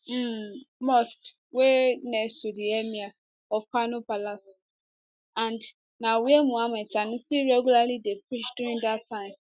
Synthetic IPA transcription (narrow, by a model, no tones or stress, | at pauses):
m̩mɔsk | wenɛ̃sudiɛmĩa | ɔfkanõpalas | ãnd | nãwiemũamɛ̃tanʊ̃siɹɛɡulalidepʰɹit͡ʃduɹĩŋdatʰːãɪ̃m